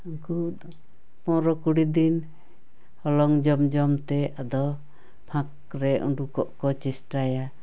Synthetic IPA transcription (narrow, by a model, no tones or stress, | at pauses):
uŋku | pɔɾɔkuɽid̪in | hɔlɔŋd͡ʒɔmd͡ʒɔmt̪ɛad̪ɔ | pʰãk̚ | ɾɛʔṵɳɖukɔʔkɔt͡ʃɛsʈaja